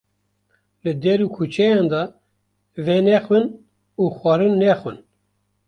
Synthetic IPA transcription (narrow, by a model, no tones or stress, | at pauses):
lɨd̪ɛɾuːkʰut͡ʃʰɛjɑnd̪ɑ | venɛxwɨn | uːxʷɑɾɨnːɛxwɨn